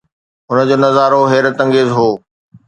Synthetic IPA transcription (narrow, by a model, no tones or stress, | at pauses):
ɦʊnəd͡ʑoːnɐzaːɾoɦeːɾət̪ɐ̃ŋɡeːzɦoː